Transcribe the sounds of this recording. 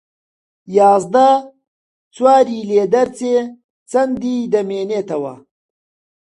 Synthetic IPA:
jaːzd̪ɐ | t͡swaːɾiːleːd̪ɐɾt͡seː | t͡sɐnd̪iːd̪ɐmeːneːt̪ʰɐwɐ̰

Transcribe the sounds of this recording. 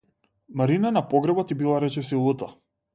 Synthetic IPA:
maɾinanapɔɡɾɛbɔt̪ibilˠaɾɛt͡ʃɛsilˠut̪a

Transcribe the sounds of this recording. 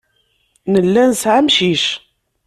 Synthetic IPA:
nəlːænsʕamʃiʃ

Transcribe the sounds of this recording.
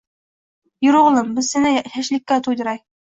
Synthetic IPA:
jŏɾuʁ̆lˠɤmbɘ̆zsɘ̆næhæʃlikːæt̪ud̪ɤ̆ɾɑj

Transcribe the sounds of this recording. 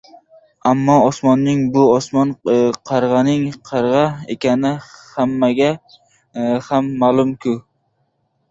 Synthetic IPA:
amːɒɒsmɒnːɪŋbʊɒsmɒnqʰɑɾʁɑnɪŋqʰɑɾʁɑḛkʲanɪhamːaɡʲa | hamːaːlˠʊmkʰʊ

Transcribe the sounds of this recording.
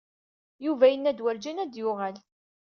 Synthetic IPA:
juvæjənːæd̪wæɾd͡ʒænæd̪jʊʁal

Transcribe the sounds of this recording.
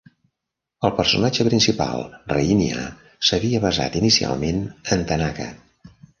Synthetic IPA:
əlˠpərsunad͡ʒəpɾinsipa̰lˠrəinia̰ | səβiəβəza̰t̪inisia̰lˠmenənt̪ənakə̰

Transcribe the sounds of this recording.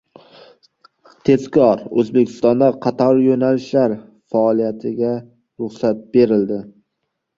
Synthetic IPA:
t̪ʰe̞zkʰɒɾɵzbekʲʰɪ̥st̪ɒnd̪aqʰɑt̪ʰɒɾjonalɪʃlaɾ | faːlˠijat̪ʰɪɡʲa | ɾʊχsat̪̚be̞ɾɪld̪ɪ

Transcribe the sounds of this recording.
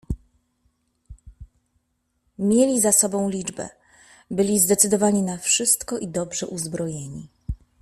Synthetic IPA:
mʲjelʲizasɔbɔ̃w̃lʲid͡ʐbɛ̰ | bɘlʲizd̪ɛt̪sɘd̪ɔvaɲinafʂɘst̪kɔʔid̪ɔbʐɛʔuzbɾɔjeɲi

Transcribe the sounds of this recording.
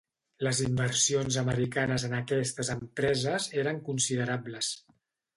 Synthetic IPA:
ləzimbərsionzəməɾikanəzənəkɛst̪əzəmpɾɛzəzeɾəŋkunsiðəɾabləs

